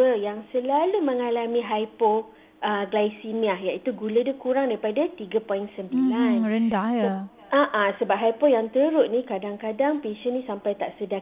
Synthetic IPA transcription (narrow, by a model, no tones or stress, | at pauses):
əjaŋsəlalumə̃ŋalamĩɦajpɔ | ʔəɡlajsimiahjaʔit̪uɡulədakuɾaŋdaɾipadat̪iɡapɔjinsəmbilanɾəndahjə | aʔasəbap̚ɦajpɔjaŋt̪əɾʊʔnĩkadaŋkadaŋpiʃənĩsampajt̪aʔsəda